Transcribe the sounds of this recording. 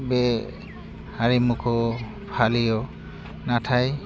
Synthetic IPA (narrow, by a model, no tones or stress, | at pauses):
bɛ | haɹimukʰɔ | pʰalijɔ | natʰaj